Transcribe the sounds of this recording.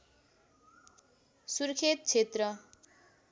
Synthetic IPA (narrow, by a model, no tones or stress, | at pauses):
surkʰet̪̚t͡sʰet̪rʌ